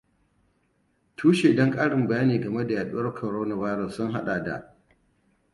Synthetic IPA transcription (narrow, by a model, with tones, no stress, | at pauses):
tʰuː˦ʃeː˨dɔ˦ŋkʼaː˦ɽɪ˨mbɐ˨jaː˦neː˨ɡɐ˨me˦da˨jaː˨ɗu˦wɐ˦rkʰɔ˨ɾoː˦na˨vaː˦jɾɔ˨sːʊ˦ŋɦa̰˦ɗaː˨da̰˨ʔ